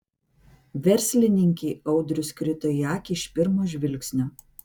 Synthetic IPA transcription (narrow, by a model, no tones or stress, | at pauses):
ʋʲɛɾʲˑsʲlʲɪnʲɪŋʲkʲɛɪɒʊd̪ʲɾʲʊskɾʲɪt̪oːjɑːkʲɪɪʃʲpʲɪɾmoːʒʲʋʲɪlʲksʲnʲoː